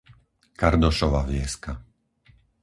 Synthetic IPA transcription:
kaɾd̪ɔʃɔʋaʋɪɛska

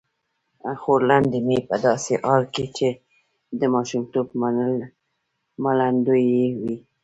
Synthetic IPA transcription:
xoɾland̪emepəd̪ɑseʔɑɾket͡ʃe | d̪əmɑʃumt̪obmaəl | maland̪ojewi

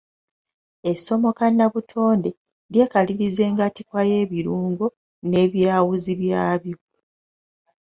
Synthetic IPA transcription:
e̞so̞mo̞kanːaβutʰo̞ːnde̞ | ɾje̞ːkaliɾize̞ːŋɡatikwaje̞ːβiɾuːŋɡo | ne̞ːβjaːwuziβjaːβjo

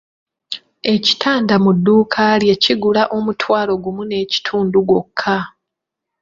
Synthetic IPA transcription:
e̞ci̥tʰaːndamudːuːkʰalje̞ciɡulaʔo̞mutʰwaːlo̞ɡumune̞ːci̥tʰuːnduɡo̞kʰːa

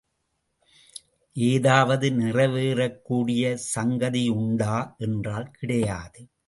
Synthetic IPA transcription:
ʔeːðaːʋɐðɯnɪrɐʋeːɾɐkːuːɽɪjɐsɐŋɡɐðɪʊɳɖaːʔɛndraːlkɪɽɐjaːðɯ

